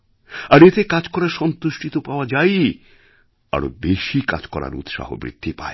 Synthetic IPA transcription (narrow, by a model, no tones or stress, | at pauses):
aɾet̪ekad͡ʑkɔɾaɾʃɔnt̪uʃʈʰit̪opaoad͡ʑaj | a̰ɾobeʃika̰d͡ʑkɔɾa̰ɾṵt̪ʃa̰ɦo̰bɾḭd̪̥ʱːipa̰e